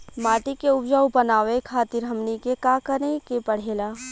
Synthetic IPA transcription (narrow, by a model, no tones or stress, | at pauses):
maːʈikeʊbd͡ʒaʋʊbənaːʋekʰaːt̪ɪɾɦɐmnikekakəɾekepɐɽ̤eːlaː